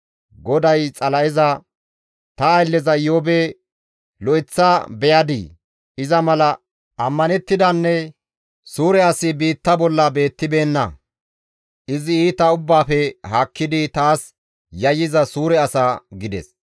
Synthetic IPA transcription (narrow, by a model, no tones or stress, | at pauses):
ɡɔd̪ɐjt͡sʼɐlɐɪzɐ | t̪ɐːjlːɛzɐjoːbe | lɔʔɪt͡sːabɛjɐd̪ɪ̰ | ɪzɐmɐlɐ | ʔɐmːɐnɛt̪ːɪd̪ɐnːɛ | suːɾɛɐsɪbiːt̪ːɐbɔlːɐbe̞ːt̪ːɪbe̞ːnːɐ̰ | ʔɪzɪiːt̪ɐʊbːaːfɛhakːɪd̪ɪt̪aːs | jɐjɪzɐsuːɾɛɐsaɡɪd̪ɛ̰s